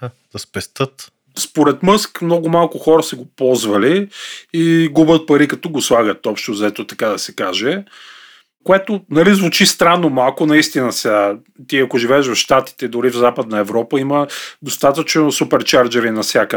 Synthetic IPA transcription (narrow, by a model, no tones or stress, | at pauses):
d̪̥ɐspɛst̪ɤt̪ | spoɾɛt̪mɤskmnɔɡʊmalˠkʊxɔɾəsɛɡopɔlˠzvɐliː | ɡubət̪̚pɐɾikɐt̪ɔɡoslˠaɡət̪ɔpʃt̪ozɐɛt̪ot̪ɐkad̪ɐsɛkaʒɛ | koɛt̪onɐlizvʊt͡ʃist̪ɾanːomalˠkʊnɐist̪inəsa | t̪iɐkoʒivɛːʃvɐfʃt̪at̪i̥t̪ɛd̪ʊɾivzapəd̪nɐɛvɾɔpəiməd̪ost̪at̪ət͡ʃnosupɛɾt͡ʃaɾd͡ʒɛɾinɐfsʲjakə